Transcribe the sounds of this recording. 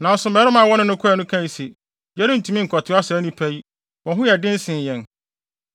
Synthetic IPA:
nã˨n˦sʊ˦mɛː˨˦ɾʊ˦mã˦˨wɔ˦nʊ̃˦nʊ̃˦kʰʊ˦ɛ˨nʊ̃˦kʰã˦i˨se˨ | jɛ˦ɾɪ̃˦n̩˨tʰu˨mĩ˦ŋ̩˨kʰɔ˨tʰɪ˦a˦sa˨˦nĩ˦pʰæ˦ji˦ | wɔ̃˨ɦʊ̃˦jɛ˨dɪ̃˦n̩˦sɪ̃˨n˨jɛ̃˨n

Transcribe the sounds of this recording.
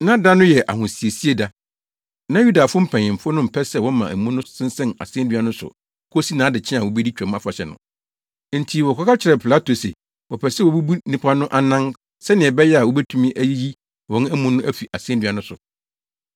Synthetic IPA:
nã˦da˦nʊ̃˦jɛ˨ʔa̰˨hʊ̃˨si˨e˨si˦e˦da˨ | nã˦ju˦da˨fʊ̃˦m̩˦pʰɛ̃˨ɲ˨ɪ̃˨m̩˨fʊ˦nʊ̃˦m̩˨pʰɛ˦sɛ˦˨wɔ̃˦mã˨æ˨mũ˦nʊ̃˦sɪ̃˦n̩˦sɛ̃˦na̰˨sɪ̃˦ɛ̃˦ndɥa˦nʊ̃˦sʊ̰˨ | kʰʊ˦o˦si˦nãː˨˦dɪ˨t͡ɕʰɪ̃˦a˨wɔ˨bi˦di˦t͡ɕᶣɛ˨m˦a˦fa˨ɕɛ˨nʊ̰̃˨ | n̩˨tʰi˨wɔ˨kʰɔ˨˦ka˦t͡ɕʰɪ˨ɾɛ˨pʰɪ˨la˦tʰo˨sḛ˨ | wɔ˨pʰɛ˨sɛ˦wɔ˨bu˦bu˦nĩ˨pʰa˦nʊ̃˦ʔa˨nã˦n | sɛ˦nɪ̃˨ɛ˨bɛ˦jɛ˦a˨wɔ˦bæ˦tʰũ˦mĩ˦ʔæ˦ji˦ji˦ | wɔ̃˦n˦æ˦mũ˦nːʊ̃˦ʔæ˦fi˨ʔa˨sɪ̃˦ɛ̃˦dɥa˨˦nʊ̃˦sʊ˨

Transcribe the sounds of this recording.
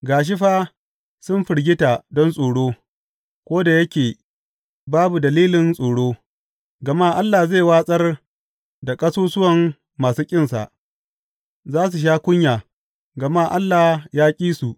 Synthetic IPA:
ɡaː˨ʃ̬ɪ˦ɸaː˦ | sʊ˦nɸɪ˨ɽɡʲɪ˦ta˨dɔ˦nsʼoː˨ɽoː˦ | kʷoː˦da˨jɐ˦kʲeː˨ | baː˦bu˨dɐ˨liː˦lɪ˨nsʼoː˨ɽoː˦ | ɡɐ˨maː˦˨ʔa˦lːaː˨ze˦˨waː˦sʼɐ˦r | da˨kʼɐ˦soː˦sʊ˦wɐ˨ŋː | aː˨suː˦kʲʼɪ˦nsa̰˨ʔ | zaː˦s̬u˨ʃ̬aː˦kʷʊ˦ɲjaː˨ | ɡɐ˨ma˦ʔa˦lːaː˨jaː˦kʲʼiː˦su˨ʔ

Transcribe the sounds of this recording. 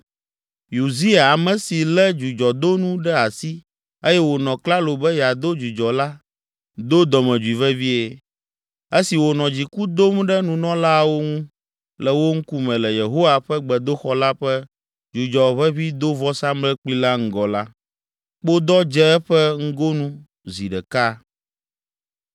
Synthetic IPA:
ju˨zi˦a˨a˨mɛ̃˨si˨lɛ˦d͡ʒu˨d͡ʒɔ˨d̪o˦nũ˦ɖɛ˦a˨si˦ | e˦jɛ˦wo˨nɔ̃˨kla˦lo˨bɛ˦jɛ˨a˨d̪o˦d͡ʒu˨d͡ʒɔ˨la˦ | d̪o˦d̪ɔ˨mɛ̃˨d͡ʒu˨i˨vɛ˦vi˦e˨ | e˦si˨wo˨nɔ̃˨d͡ʑi˨ku˦d̪o˦mɖɛ˦nũ˨nɔ̃˦la˦˨wo˦ŋũ˦ | lɛ˨wo˦ŋ̩˦ku˦mɛ̃˨lɛ˨je˨ɦo˦wa˨ɸɛ˦ɡ͡bɛ˨d̪o˦xɔ˦la˦ɸɛ˦ | d͡ʒu˨d͡ʒɔ˨βɛ˦βi˦d̪o˦vɔ˦sa˦mlɛ˦k͡pi˦la˦ŋ̩˦ɡɔ˨la˦ | k͡po˦d̪ɔ˦d͡ʒɛ˦ɛ˦ɸɛ˦ŋ̩˦ɡo˦nũ˦ | zi˨ɖɛ˨ka˦

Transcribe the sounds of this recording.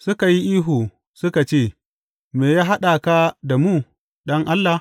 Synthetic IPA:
sʊ˦ka˨ji˦ʔiː˦ɦuː˨ | sʊ˦ka˨t͡ʃeː˦˨ | meː˨jaː˦ɦa˦ɗa˨ka˦da˨muː˦ | ɗɐ˦ŋʔa˦lːa˨

